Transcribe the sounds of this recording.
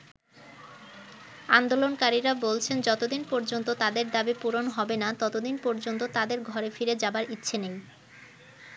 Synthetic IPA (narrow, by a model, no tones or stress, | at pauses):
and̪olonkaɾiɾabolt͡ɕʰend͡ʑɔt̪od̪inpɔɾd͡ʑont̪ot̪ad̪eɾd̪abipuɾonɦɔbenat̪ɔt̪od̪inpɔɾd͡ʑont̪ot̪ad̪eɾɡʱɔɾefiɾed͡ʑabaɾitːɕʰenej